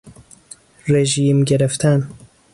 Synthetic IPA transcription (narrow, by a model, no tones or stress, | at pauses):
ɾeʒiːmɡeɾeft̪ʰan